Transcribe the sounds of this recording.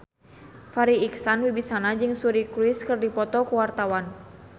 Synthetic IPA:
faɾiiksanwibisanad͡ʒɨŋsuɾikɾiskərdipɔt̪ɔkuwart̪awan

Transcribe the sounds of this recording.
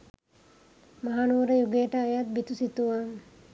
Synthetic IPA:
maɦanuʋɾəjuɡejəʈəːjat̪̚bit̪usit̪uʋaŋ

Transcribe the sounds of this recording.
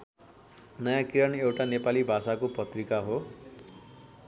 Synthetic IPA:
nʌjãkiɾʌnewʈanepalibʱasakopʌt̪rikaɦo

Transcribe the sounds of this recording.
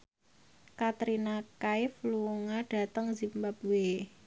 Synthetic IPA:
kat̪ɾinakaɪfluŋaɖ̥a̤t̪əŋzimbabuwe

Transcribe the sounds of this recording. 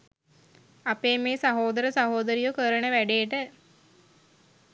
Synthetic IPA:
apeːmeːsaɦoːd̪əɾəsaɦoːd̪əɾijukəɾənəʋæɖeːʈə

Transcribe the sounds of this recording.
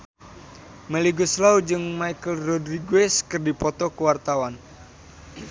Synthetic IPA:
mɛliɡɔslaud͡ʒɨŋmaikəlrɔdriɡuɛskɨrdipɔt̪ɔkəwart̪awan

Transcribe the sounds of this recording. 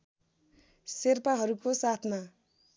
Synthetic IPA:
serpaɦʌɾukosat̪ʰma

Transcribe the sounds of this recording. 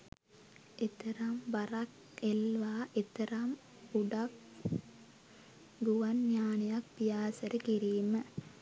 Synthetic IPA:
et̪ɐɾambɐɾak | elʋaːʔet̪ɐɾam | uɖak̚ | ɡuʋɐnɲaːnɐjakpijaːsɐɾəkiɾiːmə

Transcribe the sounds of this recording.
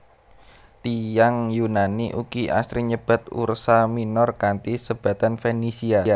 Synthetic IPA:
t̪ijaŋjunaniʔṵkiʔa̰st̪ɾiɲəb̥a̤t̪ṵrsaminɔrkant̪isəb̥a̤t̪anfenisiaa

